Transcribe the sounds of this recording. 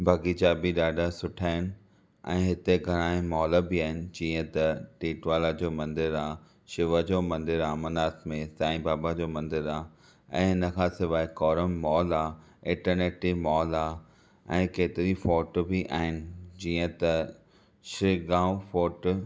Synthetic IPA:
bʱɐɡiːd͡ʑaːbiɗaːɖasʊʈʰaːɪn̆ | ɛ̃ːɦɪt̪eɡʱɐɽ̃aːẽmɔːləbiaːɦɪnɪ̆d͡ʑiːə̃t̪ɐʈiːʈʋaːlad͡ʑoːmɐ̃nd̪ɪɾaː | ʃɪʋəd͡ʑoːmɐ̃nd̪ɪɾaːmɐnaːt̪mẽsaːĩbaːbad͡ʑoːmɐ̃nd̪ɪɾaː | ɛ̰̃ːɦɪnəkʰãːsɪʋaːekɔːɾəmːɔːlaː | ɪ̃ːʈəɾneːʈimɔːlaː | ɛ̃ːkeːt̪ɪɾifɔːʈbiʔa̰ːɦɪnɪ̆d͡ʑiːə̃t̪ɐ | ʃɪɡãːufɔːʈ

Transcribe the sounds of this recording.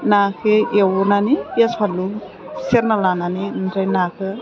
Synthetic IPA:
nakʰɯewnanipaspʰanlu | seɾnalananinnɾajnakʰɯ

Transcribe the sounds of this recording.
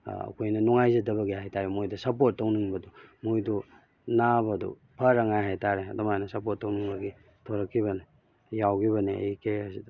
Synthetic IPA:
ɐ̰kʰojnɐnuŋajzidɐbɐɡihajtaɾemojdɐsɐpot̚ːowniŋbɐdumojdu | nabɐdṵ | pʰɐɾɐŋajɦajtʰaɾeɐdumajnɐsɐpot̚ːɐwniŋbɐɡi | tʰoɾɐkʰːiβɐni | jawɡiβɐneɐ̰jikeɐsidɐ

